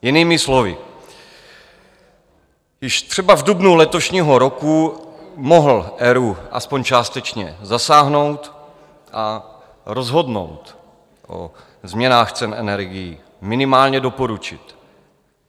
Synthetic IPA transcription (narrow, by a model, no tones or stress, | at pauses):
jɪniːmɪslo̞vɪ̰ | jɪʃt̪r̥ɛbavdubnulɛt̪o̞ʃɲiːɦo̞ɾo̞kumoɦl̩ʔɛɾuʔa̰spoɲt͡ʃaːst̪ɛt͡ʃɲɛzasaːɦno̞wt̪ | ʔa | ɾo̞zɦo̞dno̰wt̪ | ʔo̰ | zmɲɛnaːxt͡sɛnʔɛnɛɾɡɪji | mɪnɪmaːlɲɛdo̞po̞ɾut͡ʃɪt̪